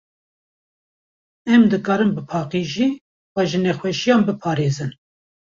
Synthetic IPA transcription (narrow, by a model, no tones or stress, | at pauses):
ɛmd̪ɨkɑːɾɨmbɨpʰɑːqiʒiː | wɑʒɨnexwɛʃijɑːmbɨpʰɑːɾeːzɨn